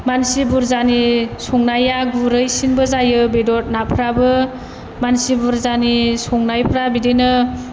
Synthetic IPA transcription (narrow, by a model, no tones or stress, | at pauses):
mansibuɾzanisɔŋnajaɡuɾɯjsinbɯzajɯbedɔt̚napʰɾabɯ | mansibuɾzanisɔŋnajpʰɾabidenɯ